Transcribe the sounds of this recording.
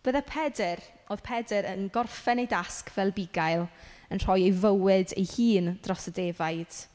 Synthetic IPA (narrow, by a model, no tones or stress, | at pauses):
b̥əðapʰɛdɪɾ | oð̥pʰɛdɨɾənɡɔrfɛnejdaskvɛlˠbɪɡajlˠənr̥ɔjejvəwɪdḛjhiːnd̥rɔsədevajd̥